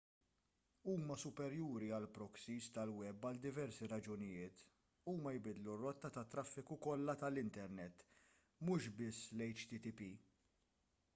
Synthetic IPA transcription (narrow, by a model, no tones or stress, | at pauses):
uːmɐsʊpɛɾjuːɾiɐlpɾɔksiːst̪ɐlwɛbːɐld̪ɪvɛɾsiɾɐd͡ʒʊnɪjɪːt̪ | uːmɐjbɪd̪lurːɔt̪ːɐt̪ɐt̪ːɾɐfːɪkukɔlːɐt̪ɐlɪnt̪ɛɾnɛt̪ː | mʊʃbɪsːlɛjt͡ʃt̪it̪ipi